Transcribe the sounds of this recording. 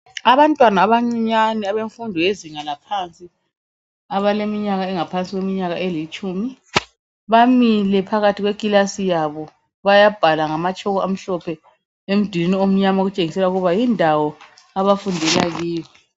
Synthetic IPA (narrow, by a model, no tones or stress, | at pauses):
aβantʼwanaːβaŋ͡ǀiɲaniaβeɱfundʱɔeziŋanapʰant͡sʼi | aβalemiɲaɣaɛŋapʰant͡sʼiɣwemiɲaɣaʔelit͡ʃʼuːmi | βamilɛpʰaɣatʰiɣweɡ̥ʼilasijaβɔ | βajab̥ʱalaŋamat͡ʃʰʼɔɣɔam̩ɬɔpʰɛ | em̩d̥ʱwininiom̩ɲamaoɣut͡ʃʼeŋisɛlauɣuβajindʱawɔaβafundʱɛlaɣiːwɛ